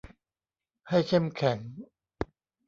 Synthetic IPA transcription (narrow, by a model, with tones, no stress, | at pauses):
ha˥˩jkʰe˥˩mkʰɛ˨˩˦ŋ